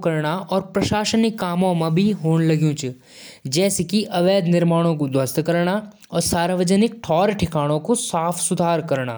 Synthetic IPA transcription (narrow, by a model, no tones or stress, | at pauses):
kɐɾɳaʔɔːɾpɾɐʃaːʃənɪkːaːmõmɐ̃bʱiɦoːnlɐɡjũt͡ʃu | d͡ʒɛːsekiʔɐʋɛːd̪nɪɾmaːɽ̃õkod̪wɐst̪kɐɾɳa | ɔːɾsaːɾʋəd͡ʒənɪk̚ʈʰɔːɾʈʰɪkaːɽ̃õkosaːfʰsʊd̪ʱaːɾkɐɾɳa̰ː